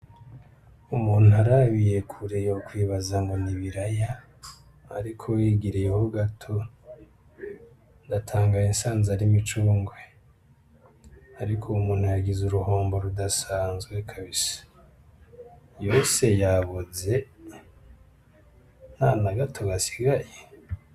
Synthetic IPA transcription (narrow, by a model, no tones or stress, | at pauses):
umuːn̥uaɾaβije̞kʰuɾejokwiːβazaŋɡoniβiɾaja | a̰ɾikʰo̞jiɡiɾijehoɡatʰo̞ | ndatʰaːŋɡajinsaːnzaɾimit͡ʃuːŋɡwe | aɾikʰomuːn̥hujaɡizuɾuho̞ːmbo̞ɾudasaːnzɡwekʰaβisḁ | jo̞se̞jaβoze̞ | n̥anaɡatʰo̞ɡasi̥ɡaje